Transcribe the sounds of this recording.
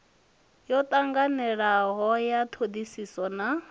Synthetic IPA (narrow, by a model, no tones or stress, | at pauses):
jɔt̪ʼaŋɡanɛɺaɦɔjat̪ʰod̪isisɔna